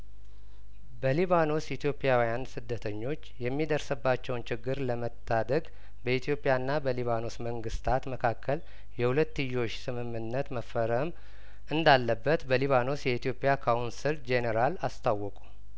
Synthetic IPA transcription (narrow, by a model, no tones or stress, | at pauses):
bəliβano̞sjit̪jo̞pʼjawijansɨd̪ːət̪ʰəɲːo̞t͡ʃːjɛmːid̪əɾsɨbːat͡ʃːɛwnt͡ʃɪɡːɨɾləmət̪ʰːad̪əɡ | bəit̪ʰijo̞pʼjanːabəliβano̞sməŋɡɨst̪ʰat̪məkʰakʰːəl | jɛhulət̪ːɨjːo̞t͡ʃːsɨmɨmːɨnːət̪məfːəɾəm | ʔɨnd̪alːəbːət̪bəliβano̞sjɛit̪ijo̞pʼjakʰawunsɨld͡ʒeneɾalast̪ʰawːɔkʼu̥